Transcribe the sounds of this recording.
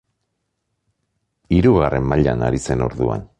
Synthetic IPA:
iɾuɣarʔe̞mːaʎanaɾise̞no̞̰ɾðua̰n

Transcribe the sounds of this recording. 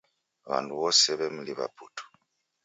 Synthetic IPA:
βa̰nduβɔsɛβɛm̩liβa̰pʰutʰɔ̥

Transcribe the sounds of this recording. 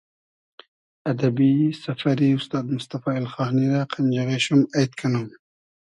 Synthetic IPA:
ad̪abisafaɾiʊst̪ɑːd̪mʊst̪afɑːelxɑːniɾaqʰand͡ʒaɣeʃumajt̪kʰanum

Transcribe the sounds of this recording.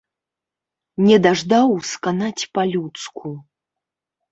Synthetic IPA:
nʲɛd̪aʐd̪awskanat͡sʲpalʲut̪skʰu

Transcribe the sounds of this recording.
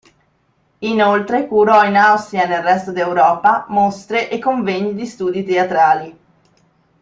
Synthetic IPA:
inolt̪ɾekuɾɔinawst̪ɾianelrɛst̪od̪iewɾɔːpamost̪ɾeʔekːoɱveɲːid̪ist̪uːd̪it̪eat̪ɾaːli

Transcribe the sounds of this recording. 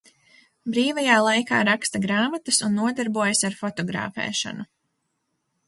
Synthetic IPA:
bɾiːvajaːlˠajka̰ːɾakst̪ɐɡɾaːmat̪ɐsunːuɔd̪aɾbuɔjɐsaɾfɔt̪ɔɡɾa̰ːfɛ̰ːʃɐ̰nu

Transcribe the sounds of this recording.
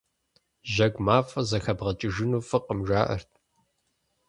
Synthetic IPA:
ʒɐɡʷmaːfɐzɐxɐbʁɐt͡ʃʼɪʒɨnuːfɨqʼəmʒʷaːʔɐ̰rtʰ

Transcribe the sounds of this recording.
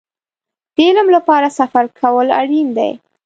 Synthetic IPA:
d̪̥elamlapɑɾasafaɾkʰawəla̰ɽind̪a̰j

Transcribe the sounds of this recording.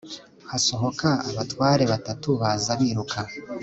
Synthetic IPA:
haso̞ɦo̞kʰaaβatwaːɾe̞βatatuβazaβiɾukʰa

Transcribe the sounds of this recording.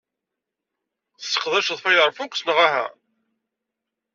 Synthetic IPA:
θəsːə̥qðˤæʃðˤfæjəɾˤfukʷːsnəʁæɦæ̰

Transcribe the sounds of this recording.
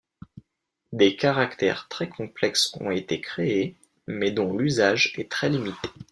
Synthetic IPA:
d̪ekaʁakt̪ɛ̰ʁt̪χɛkʰɔ̃plɛksɔ̰̃et̪ekχee | mɛd̪ɔ̃lyzaʒɛt̪χɛlimit̪e̥

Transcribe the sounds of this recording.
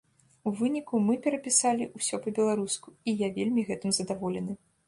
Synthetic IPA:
uvɨnʲikumɨpʲɛɾɐpʲisalʲiʔusʲɔpɐbʲɛlˠaɾuskuijavʲelʲmʲiɣɛt̪ɨmzɐd̪avɔlʲɛnɨ

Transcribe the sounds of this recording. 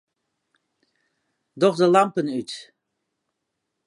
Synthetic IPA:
dɔχdəlɑmpənyt

